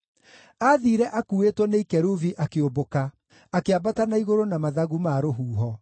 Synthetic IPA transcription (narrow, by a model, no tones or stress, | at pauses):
aðiɾɛʔakuːetwɔneikɛɾuviʔakeoboka | akeabatanaiɣoɾonamaðaɣumaɾoɦuːɦɔ